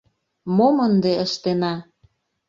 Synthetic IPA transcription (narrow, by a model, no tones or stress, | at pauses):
momənd̪eəʃt̪enɑ